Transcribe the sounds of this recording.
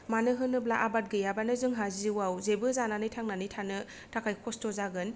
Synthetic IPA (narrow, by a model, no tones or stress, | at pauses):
manɯɦɯnɯblaʔabat̚ɡɯjabanɯzɯŋɦaziwawzebɯzananɯjtʰaŋnanɯjtʰanɯ | tʰakʰajkʰɔstɔzaɡɯn